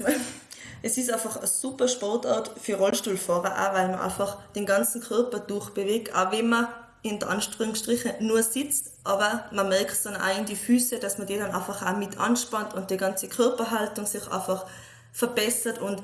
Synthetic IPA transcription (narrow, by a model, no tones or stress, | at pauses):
ʔɛsɪs̬aɪfɑχəsupəʃpɔʁtaɐtfyʁɔlʃtuːlfɔːʁəʔa̰vaɪlmɐʔa̰ɪfɑχd̥ɛnɡɑnt͡sn̩kʰœʁpɐd̥ʊɐχb̥eveːk̚ta̰vɛnmɐ | ɪndəʔɑnʃʁʏŋstʁɪχənuːɐsɪt͡st | ʔɑːbɐmɐmɛɐkχtsonʔa̰ɪndifyːsɛd̥asmɐd̥eːɾana̰ɪfɑχamɪtʰɑ̰nʃpɑntʊnt̚d̥iːɡɑnt͡sikʰœʁpɐɦɑltʊŋsɪχʔa̰ːfɑχ | fəɐb̥ɛsətʊnt